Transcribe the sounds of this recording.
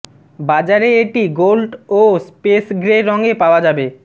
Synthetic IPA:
bad͡ʑaɾeeʈiɡolɖospesɡɾeɾɔŋɡepaoad͡ʑabe

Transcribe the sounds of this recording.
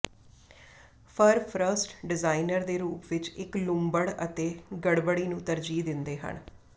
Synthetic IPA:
pʰəɾpʰɾəsʈɖɪzaːinəɾd̪eːɾuːpʋɪt͡ʃɪklʊmbəɽə̰t̪eːɡəɽbəɽiːnũːt̪əɾd͡ʒiːd̪ɪnd̪eːɦə̰ɳ

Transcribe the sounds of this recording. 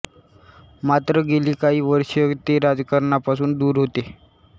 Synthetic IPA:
mat̪ɾəɡeliːkaɦiːʋəɾɕət̪eɾad͡zkəɾɳapasuːnd̪uːɾɦot̪e

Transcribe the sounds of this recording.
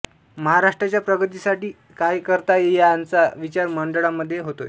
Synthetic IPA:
məɦaɾaʂʈɾat͡ɕjapɾəɡət̪isaʈiː | kajkəɾt̪ajejant͡saʋit͡ɕaɾməɳɖəɭaməd̪ʱːjeɦot̪o̰je

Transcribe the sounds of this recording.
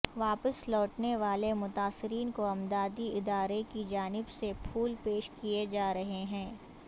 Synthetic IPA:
ʋaːpəslɔːʈneʋaːlemʊt̪aːsɪɾiːnkoɐmd̪aːd̪iɪd̪aːɾekid͡ʒaːnɪbsepʰuːlpeːʃkied͡ʒaːɾɐɦeɦɛ̃ː

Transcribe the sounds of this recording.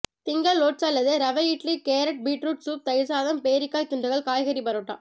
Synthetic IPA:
t̪ɪŋɡɐɭːoːʈ̚t͡ʃɐlːɐðɯɾɐʋɐjiːʈlikeːɾɐʈ̚biːʈɾuːʈsuːp̚t̪ɐɪɾsaːðɐmpeːɾɪkːaːjt̪ʊɳɖɯɣɐɭkaːjɣɐɾipɐɾoːʈːa̰ː

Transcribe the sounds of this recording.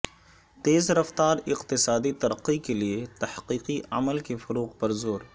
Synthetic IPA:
t̪eːzɾɐft̪aːɾɪqt̪ɪsaːd̪it̪ɐɾəqːikeliet̪ɐhqiːqiɐ̰məlkefʊɾuːqpɐɾzoːɾ

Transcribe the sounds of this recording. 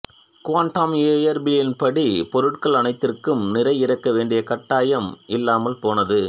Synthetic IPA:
kʋaːɳʈaːmeːjɐɾbɪlɪnpɐɽipɔɾɯʈkɐɭɐnɐɪt̪ːɪrkɯmnɪɾɐɪɪɾɐkːɐʋeːɳɖɪjɐkɐʈːaːjɐmɪlːaːmɐlpoːnɐðɯ

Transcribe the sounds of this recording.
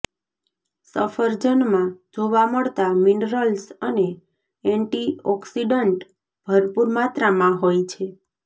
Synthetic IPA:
səfəɾd͡ʒənmãd͡ʒoʋaməɭt̪aminɾəlsəne | ɛɳʈiɔksiɖəɳʈ | b̥ʱəɾpuɾmat̪ɾamãɦojt͡ʃʰe

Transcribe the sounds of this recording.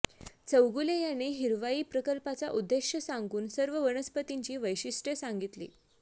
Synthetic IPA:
t͡səwɡulejanːiːɦiɾʋaiːpɾəkəlpat͡saʔud̪ːeɕjəsaŋɡuːnsəɾʋəʋəɳəspət̪iɲt͡ɕiːʋəjɕiʂʈəsaŋɡit̪lḭː

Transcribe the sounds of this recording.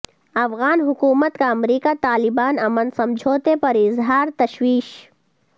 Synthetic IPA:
ɐfɣaːnɦʊkuːmət̪kaɐmɾiːkat̪aːlɪbaːnɐmənsɐ̃md͡ʒʱoːt̪epɐɾɪzɦaːɾt̪ɐʃwiːʃ

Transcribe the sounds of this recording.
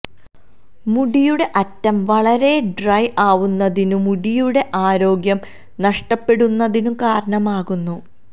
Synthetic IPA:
muɽijuɽe̞ʔɐtːɐmʋɐɭɐɾe̞ɖrɐjʔaːʋunːɐðinumuɽijuɽe̞ʔaːɾo̞ːɡjɐm | nɐʂʈɐpːe̞ɽunːɐðinumkaːɾɐɳɐmaːɣunːu

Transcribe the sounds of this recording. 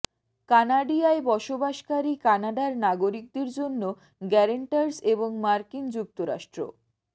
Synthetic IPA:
kanaɖiaebɔʃobaʃkaɾikanaɖaɾnaɡoɾik̚d̪eɾd͡ʑonːo | ɡɛɾeɳʈaɾseboŋmaɾkind͡ʑuk̚t̪oɾa̰ʃʈɾo̰

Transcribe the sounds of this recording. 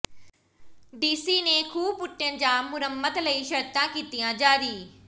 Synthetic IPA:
ɖiːsiːneːkʰuːpʊʈːẽnd͡ʒãːmːʊɾəmːət̪ləiːʃəɾt̪ãːkiːt̪ijãːd͡ʒaːɾiː

